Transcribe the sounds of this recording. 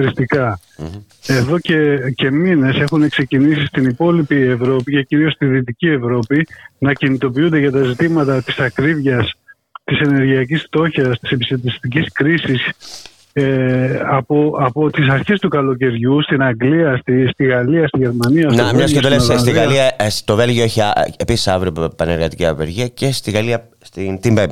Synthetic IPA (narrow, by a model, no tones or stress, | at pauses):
ɾist̪ikɐ | e̞ðo̞cece̞mine̞se̞xune̞kse̞cinisist̪inipo̞lipie̞vɾo̞pice̞ciɾio̞st̪iðit̪icie̞vɾo̞pinɐcinit̪o̞p̬iund̪eʝɐt̪ɐzit̪imɐt̪ɐt̪isɐkɾivʝɐs | t̪ise̞ne̞ɾʝiɐcisft̪o̞çɐst̪i̥sepisɐt̪ist̪iciskɾisis | eɐpoɐpot̪isɐɾçe̞st̪ukɐlo̞ce̞ɾʝust̪inɐŋɡliɐst̪ist̪iɣɐliɐst̪iʝe̞ɾmɐniɐnɐmɲɐsed̪olesest̪iɣɐliɐst̪ove̞lʝioeçiaepisi̥sɐvɾiopɐneɾɣɐt̪i̥ciɐveɾʝiɐcest̪iɣɐliɐ | st̪int̪imbe